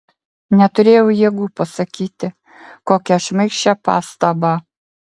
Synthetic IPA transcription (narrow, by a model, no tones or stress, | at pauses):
nʲɛt̪ʊɾʲeːjɛʊjiːɡuːpɐsɐkʲiːt̪ʲɪ | koːkʲɛʃmɐɪkʃʲt͡ʃʲɛpɑ̰ːst̪ɐbɑː